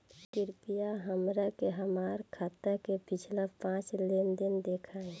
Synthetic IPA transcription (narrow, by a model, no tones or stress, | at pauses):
kɪɾpijaɦəmɾakeɦəmaːɾkʰaːt̪əkepɪt͡ʃʰlapãːt͡ʃleːnd̪ɪnd̪eːkʰaːẽ